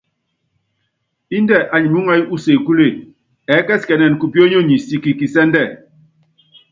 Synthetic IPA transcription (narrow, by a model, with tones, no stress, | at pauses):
i˦ndɛ˦˨ʔa˨ɲi˨mu˦ŋa˦i˦ʔu˦se˨ku˦le˦˨ | ɛ˨˦kɛ˦skɛ˨nɛ˨n˨ku˨pjo˦ɲo˦˨ɲi˨si˨ki˨ki˨sɛ˦n˦dɛ˦˨